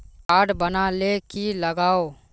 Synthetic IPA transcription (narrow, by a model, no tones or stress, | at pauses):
aːɖbənalekiləɡaːo